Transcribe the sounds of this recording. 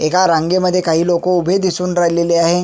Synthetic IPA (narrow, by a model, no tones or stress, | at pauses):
ekaɾãŋɡeməd̪ʱːjekaɦiːlokoubʱed̪isuːnɾajleleaɦe